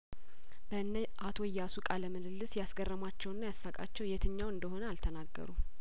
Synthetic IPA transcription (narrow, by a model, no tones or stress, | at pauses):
b̥əɨnːə | ʔat̪ʰo̞jːasukʼaləməlɨlːɨsjasɡərːəmat͡ʃːɛwɨnːajasːakʼa̰t͡ʃːɛwjɛt̪ʰɨɲːawɨnd̪əho̞nəalt̪ʰənaɡːə̰ɾu